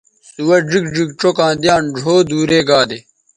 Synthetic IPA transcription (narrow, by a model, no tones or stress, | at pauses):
suwɐd͡ʑik̚d͡ʑik̚ʈ͡ʂokãːd̪jaːnɖʱoːd̪uːɾeːɡaːd̪e